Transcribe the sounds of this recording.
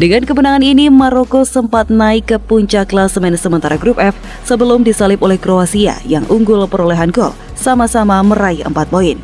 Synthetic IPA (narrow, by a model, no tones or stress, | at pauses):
dəŋankəbənaŋaninimaɾokosəmpat̪̚naikːəpuɲt͡ʃaklasəmɛnsəmənt̪aɾaɡɾup̚ɛf | səbəlʊmdisalɪpolɛhkɾoasia̰jaŋʔuŋɡʊlpəɾoleɦanɡɔ̰l | samasamaməɾaɪhə̰mpat̪̚boɪn